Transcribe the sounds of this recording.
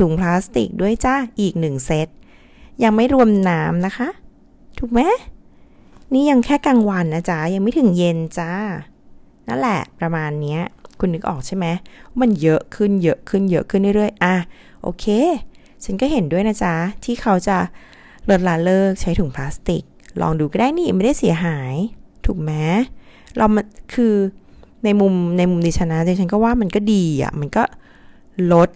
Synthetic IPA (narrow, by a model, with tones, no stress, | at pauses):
t̪ʰuː˨˩˦ŋpʰlaː˦˥st̪ḭ˨˩k̚du˥˩əjt͡ɕa˥˩ʔiː˨˩k̚nɯ˨˩ŋse˦˥t̪̚ | ja˧ŋma˥˩jɾu˧əmnaː˦˥mna˦˥kʰa˦˥ʔ | t̪ʰuː˨˩k̚mɛ˦˥ | niː˥˩ja˧ŋkʰɛː˥˩ka˧ŋwa˧nːa˦˧˥t͡ɕa˦˥ja˧ŋma˥˩jt̪ʰɯ˨˩˦ŋje˧nt͡ɕa˥˩ | na˦˥˩nlɛ˨˩pɾa˧maː˧nːi˦˥ɐkʰu˧nːɯ˦˥k̚ʔɔ̰ː˨˩k̚t͡ɕʰa˥˩jma˦˥jma˧njɤ˦˥ʔkʰɯ˥˩njɤ˦˥ʔkʰɯ˥˩njɤ˦˥ʔkʰɯ˥˩n˨ɾɾɯ˥˩əjʔa˧˩ | ʔo̰ː˧kʰeː˧ | t͡ɕʰa˦˥nkɔː˥˩ɦe˩˦ndu˥˩əjna˦˥t͡ɕʰa˦˥t̪ʰiː˥˩kʰa˦˥wt͡ɕa˨˩ | lo˦˥t̪̚laː˦˥nlɤː˥˩k̚t͡ɕʰa˦˥jt̪ʰuː˩˦ŋpʰlaː˦˥st̪i˨˩k̚lʔɔ̰ː˧ŋduː˧kɔ˥˩daː˥˩jniː˥˩m˥˩da˥˩jsi˨˩˦ɐɦaː˩˦jt̪ʰuː˨˩k̚mɛ˦˥ | lʔa˧wm˧kʰɯː˧na˧jmu˧mna˧jmu˧mdiː˧t͡ɕʰa˧na˦˥t͡ɕa˧ŋt͡ɕʰa˦˥nk̬ɔː˥˩waː˥˩ma˧nkɔː˥˩diː˧ʔa̰˨˩ma˧nkɔː˥˩ | lo˦˥t̪̚